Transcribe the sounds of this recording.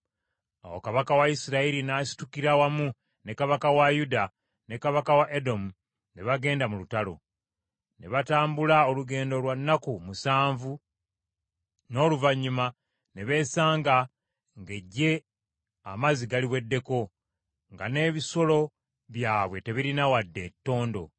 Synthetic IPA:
a̰wo̞̰kaβakawaisiɾaiɾinaːsi̥tukiɾawamu | nekaβakawajuda | ne̞kaβakawaʔedo̞mu | ne̞βaɡe̞ːndamulutalo̞̰ | ne̞βataːmbulaoluɡe̞ːndo̞lwanːakumusaːɱvu | no̞ːluvaɲːuma | ne̞βe̞ːsaːŋɡa | ŋɡe̞ɟːe̞ | a̰maziɡaliβwe̞dːe̞ko̞ | ŋɡane̞ːβiso̞lo̞ | βjaːβwe̞te̞βiɾinawadːe̞tːo̞ːndo̞̰

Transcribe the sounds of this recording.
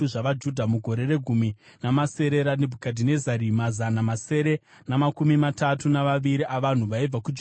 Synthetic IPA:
uʐaʋad͡ʒudʱamuɡʱo̞ɾe̞re̞ɡʱuminamase̞ɾe̞ɾanebʱukadʱine̞zaɾimazanamase̞ɾe̞ | namakumimatatunaʋaʋiɾiʔaʋan̤uʋaib͡vakud͡ʒ

